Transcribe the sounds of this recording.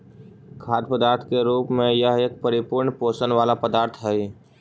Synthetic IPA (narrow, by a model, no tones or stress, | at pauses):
kʰaːd̪̚pəd̪aːɾt̪ʰkeɾuːpmẽjəɦeːk̚pəɾɪpʊɾɳpoːsənʋaːlapəd̪aːɾt̪ʰɦɛi